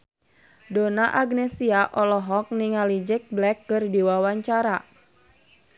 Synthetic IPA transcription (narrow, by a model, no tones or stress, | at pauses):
donaʔaɡnɛsiaʔɔlɔɦɔk̚niŋalid͡ʒɪk̚blɛkːɨrdiwawaɲt͡ʃaɾa